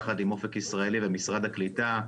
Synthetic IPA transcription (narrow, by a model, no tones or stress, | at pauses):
χadimo̞fekisʁaelivemisʁad̪haklita